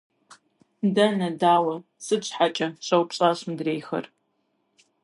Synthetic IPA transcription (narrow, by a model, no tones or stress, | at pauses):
dɐnɐdaːwɐ | sɨɕħat͡ʃʼɐɕʼɐwpɕʼaːɕmdreːjxɐ̰r